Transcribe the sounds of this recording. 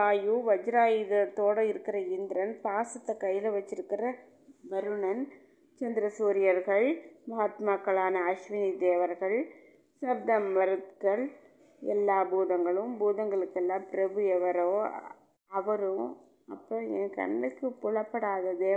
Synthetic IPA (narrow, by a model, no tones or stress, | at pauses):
aːjuʋɐd͡ʒɾaːjɪðɐt̪oːɽɐɪɾɯkːɪɾɐɪnd̪ɪɾɐnpaːsɐt̪ːɐkɐjːɪlɐʋɐt͡ʃːɪɾɯkːɪɾɐ | bɐɾɯɳɐn | t͡ʃɐnd̪ɪɾɐsuːɾɪjɐɾɣɐɭmɐɦat̪maːkːɐɭaːnɐːʂʋɪnid̪eːʋɐɾɣɐɭ | sɐb̚d̪ɐmːɐɾɯt̪kɐɭ | ɛ̰lːaːbuːðɐŋɡɐɭɯmbuːðɐŋɡɐɭɯkːɛlːaːpɪɾɐbɯjɛʋɐɾoː | ɐʋɐɾɯ̃ | ɐpːõɛːkɐ̰ɳːɐkːɯpʊɭɐpːɐɽaːðɐd̪eː